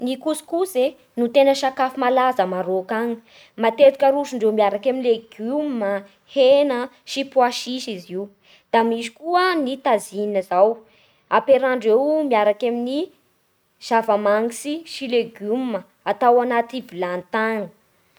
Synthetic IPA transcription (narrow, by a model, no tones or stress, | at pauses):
nikuskuze | nut̪enəʃakafimalazəmaɾokaŋi̥ | mat̪et̪i̥kʲəɾuʃuɳɖ͡ʐewmiaɾakaminleɡumːə | henə | ʃipwaʃiʃiziw | d̪̥amiʃi̥kuənit̪azininəzaw | apeɾaɳɖ͡ʐewmiaɾakamini | z̥avamaŋisiʃileɡumːə | at̪awanat̪ivilant̪aŋə